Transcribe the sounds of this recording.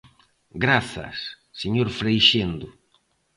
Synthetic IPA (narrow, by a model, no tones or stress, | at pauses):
ɡɾaθa̰sː | eɲoɾfɾejʃend̪ʊ